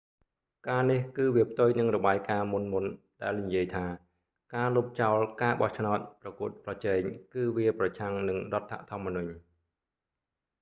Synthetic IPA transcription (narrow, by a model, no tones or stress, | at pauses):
kaːnihkɨːʋiəpʰt̪ujnɨŋrɔɓaːjkaːmunmunɗaɛlnijiəjt̪ʰaː | kaːlup̚t͡ɕaɔlkaːɓɑht͡ɕʰnaɔt̪̚prɑkuət̪̚prɑt͡ɕɛːɲkɨːʋiəprɑt͡ɕʰaŋnɨŋrŏət̪ʰːa̰ʔt̪ʰŏəmːənuɲ